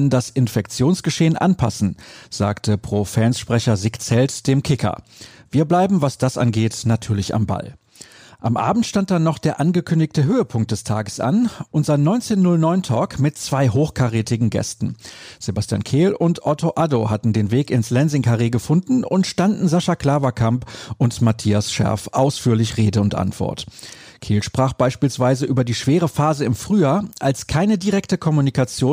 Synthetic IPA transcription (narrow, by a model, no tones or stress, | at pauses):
ndasɪnfɛk̚t͡sjoːnsɡ̥əʃeːənʔa̰npʰasn̩z̥a̰ːktʰəpʁ̥ofɛːnsʃpʁ̥ɛçɐzɪkt͡sɛltd̥eːmkʰɪkʰɐ̰viːɐblaɪbm̩vasd̥asʔa̰nɡeːtnatʰyːɐlɪça̰mba̰l | ʔamʔa̰ːbm̩tʃtant̚d̥anːɔχd̥eːɐʔanɡəkʰʏndɪçtəɦøːəpʰʊŋk̚td̥ɛstʰa̰ːɡəsʔa̰nʔʊntz̥aɪnːɔʏnt͡seːnːʊlnɔʏntʰɔːkmɪtt͡sv̥aɪɦoːxkʰaʁeːtɪɡŋ̩ɡɛ̰stn̩z̥ebastja̰ːnkʰeːlʔʊntʔɔtʰoʔadohatn̩deːnveːkɪnslɛnzɪŋkʰaʁeːɡəfʊndn̩ʊntʃtandn̩zaʃakl̥aːvɐkʰampʔʊntmatʰiːasʃɛ̰ɐfʔaʊsfyːɐlɪçʁeːdəʊntʔa̰ntv̥ɔ̰ɐtkʰeːlʃpʁ̥aːχb̥aɪʃpiːlsv̥aɪzəʔyːbɐdiːʃv̥eːʁ̞əfaːzəɪmfʁ̥yːjaːɐʔalskʰaɪnədiʁɛktəkʰɔmunikat͡sjoːn